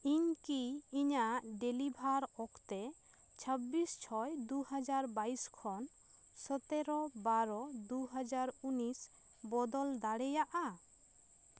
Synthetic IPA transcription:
iɲkiːɲaʔɖelibʱaɾɔkʰt̪e | t͡ʃʰəbːist͡ʃʰɔjd̪uhad͡ʒaɾbaiskʰɔn | sɔt̪eɾɔbaɾɔd̪uɦad͡ʒaɾunis | bɔd̪ɔld̪aɽɛjaʔa

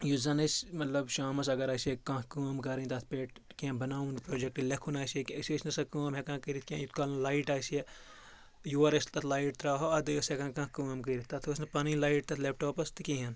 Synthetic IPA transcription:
juzɐnɐsmɐt̪lɐbʃaːmɐs̬ɐɡɐɾaːsekãːkuːɐmkɐɾint̪ɐt̪ʰpeːʈkẽbɐnaːũnpɾoːd͡ʒek̚ʈilekʰunaːsekɐsesnɐsɐkuːmɦekãːkɐɾit̪̚ʰkʲẽjut̪kaːlnɐlaːiʈaːse | juːɐɾɐst̪ɐt̪ʰlaːiʈ̚t̪ɾaːɦoɐd̪ɨɐsekãːkãːkuːɐmkɐɾit̪t̪ɐt̪ʰosnɐpɐnilaːiʈt̪ɐt̪ʰlep̚ʈoːpɐst̪ikĩɦɐn

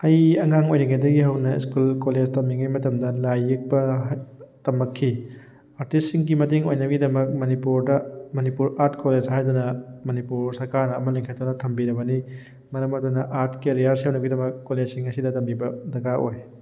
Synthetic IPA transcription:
ɐjɐŋaŋojnɐɡajdɐɡiɦɐwnɐḭskulkoled͡ʒtɐmiŋajmɐtɐmdɐlajːik̚bɐ | tɐmɐkʰːi | aɾtisːiŋɡimɐtiŋojnɐɡidɐmɐk̚mɐnipuɾdɐmɐnipuɾaɾtkoled͡ʒhajdɐnɐmɐnipuɾsɐɾkaɾnɐɐmɐleŋkʰɐt̚ːɔnɐtʰɐmbiɾɐβɐni | mɐɾɐmɐd̪unɐʔaɾtkeɾijaɾsɦɐwnɐɡidɐmɐkːoled͡ʒsiŋɐsidɐtɐmbibɐdɐɡaʔoj

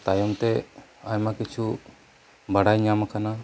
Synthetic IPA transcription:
t̪ajɔmt̪ɛajmakit͡ʃʰu | baɽajɲamakana

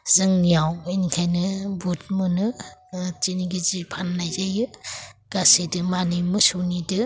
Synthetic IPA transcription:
zɯŋnijawinikʰajnɯbut̚mɯnɯ | t͡ʃiniɡizipʰanːajzajɯɡ̥asedɯmanimɯsunidɯ

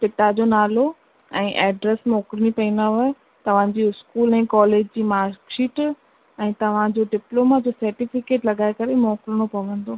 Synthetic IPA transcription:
kɪʈad͡ʑoːnaːlo | ɛ̃ːʔɛːɖɾɛsmɔːkɾəɽ̃ipɐĩnaʋɐ | t̪ɐʋ̤ãd͡ʑiːʊskuːlɛ̃ːkɔːleːd͡ʑd͡ʑiːmaːɾkʃiːʈ | ɛ̃ːt̪ɐʋ̤ãd͡ʑoɖɪploːmad͡ʑoːsɐɾʈifɪkeːʈlɐɡaːekɐɾemɔːkɾəɽ̃opɐʋə̃nd̪oː

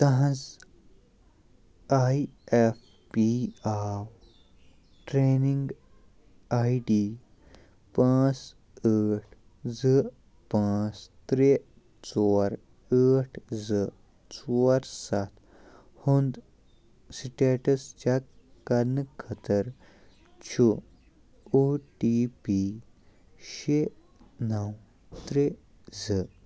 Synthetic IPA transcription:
t̪ɐɦɐ̃z | aːief | piaːw | ʈɾeːniŋɡ | aːiɖiː | pãːt͡s | əːʈʰ | zɨ | pãːt͡st̪ɾe | t͡soːɾ | əːʈʰzɨ | t͡sɔɾsat̪ | hund̪ | siʈeʈəst͡ʃak | kːɐɾnkʰət̪əɾ | t͡ʃʰu | oʈipi | ɕe | nɐw | t̪ɾe | zɨ

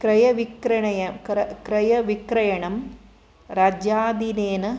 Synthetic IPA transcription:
kɾɐjɐʋikɾɐɳɐjɐkɾɐkɾɐjɐʋikɾɐjɐɳɐm | ɾaːd͡ʒjaːd̪ineːnɐ

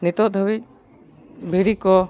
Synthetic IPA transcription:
nit̪ɔd̪ʱəbic̚ | bʱiɾikɔ

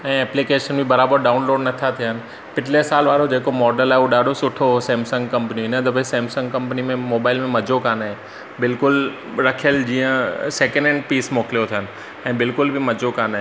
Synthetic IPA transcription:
ɛ̃ːɛːplikeːʃənbʱibɐɾaːbəɾɖaːʊnloːɖnɐt̪ʰat̪ʰiɦənɪ̆ | pɪʈlesaːlʋaːɾod͡ʑeːkomɔːɖəlaːɦɪuoɗaːɖʱosʊʈʰoɦosẽːmsə̃ŋɡkɐ̃mpniɪnəd̪ɐbesẽːmsə̃ŋɡkɐ̃mpnimẽmoːbaːɪlmẽmɐd͡ʑʱokaːnaːɦɪ̃ | bɪlkʊl | ɾɐkʰijəld͡ʑiːə̃seːkə̃ɳɖẽɳɖ̚piːsmoːklijot̪ʰiɦənɪ̆ | ɛ̃ːbɪlkʊlbʱɪmɐd͡ʑʱokaːnaːɦe

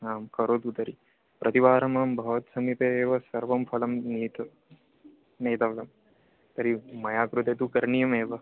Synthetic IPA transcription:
aːmkɐɾoːt̪ut̪ɐɾi | pɾʔɐt̪iʋaːɾɐmaːmbʱɐʋt̪sɐmip̪eeːʋɐsɐɾʋɐmpʰɐlɐmniːt̪ɐ | neːt̪ɐʋlɐm | t̪ɐɾimɐjaːkɾut̪et̪ukɐɾɳijɐmeːʋɐ

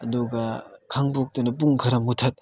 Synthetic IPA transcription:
ɐduɡɐkʰaŋbok̚tɐnɐp̬uŋkʰɐɾɐmutʰɐt̚

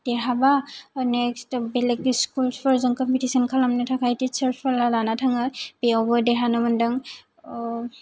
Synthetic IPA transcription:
d̥eɦabanɛkstbelekskulspʰɔɾzɯŋkɔmpitisɔnkʰalamnɯtʰakʰajtisəɾpʰalalanatʰaŋɯbeɔbɔjdeɦanɔmɯndɯŋ

